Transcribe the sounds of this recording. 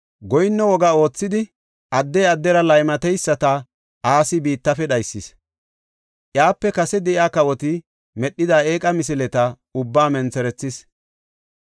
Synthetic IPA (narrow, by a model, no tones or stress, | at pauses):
ɡɔjnːɛwɔɡao̞ːt͡sːɪd̪ɪ | ʔɐd̪ːɛjɐd̪ːɛɾɐlɐjmɐt̪ɛjsːɐt̪ɐ | ʔaːsɪbiːt̪ːɐfɛɗɐjsːɪs | ʔjaːpːɛkɐsɛd̪ɛʔjaːkɐwɔt̪ɪ | mɛɗːɪd̪aːe̞ːkʼɐmɪs̬ɪlɛt̪ɐ | ʊbːaːmɛnt͡sɛɾɛt͡sːɪs